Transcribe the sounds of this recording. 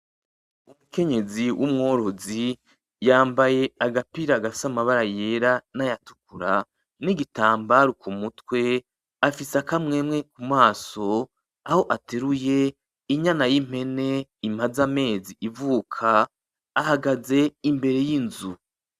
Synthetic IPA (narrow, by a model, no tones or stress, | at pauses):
umuke̞ɲe̞ziwʔumŋo̞ːɾo̞zi | jaːmbaje̞aɡapiɾaɡafi̥samaβaɾaje̞ːɾanajatu̥kuɾa | niɡitaːmbaɾukumutwe̞ | afisakamŋe̞ːmŋe̞kumaːso̞ | aho̞ʔateɾuje̞ | iɲanajim̥he̞ne̞im̥azame̞ːziʔivuːkʰaː | haɡaze̞imbe̞ɾe̞jinzu